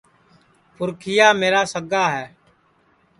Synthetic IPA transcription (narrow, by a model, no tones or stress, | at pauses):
pʰʊɾkʰɪjaːmeːɾaːsəɡaːɦɛː